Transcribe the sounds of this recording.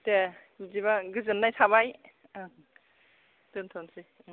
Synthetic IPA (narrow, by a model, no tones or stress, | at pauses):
te | ziβaɡɯzɯnːajsʰaβaj | dɯntʰɔnsi